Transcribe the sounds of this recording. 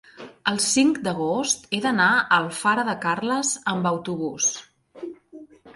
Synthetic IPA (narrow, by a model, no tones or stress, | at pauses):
əlˠsiŋkd̪əɣ̞ost̪eðənaəlˠfaɾəðəkarləzəmbəwt̪uβ̞us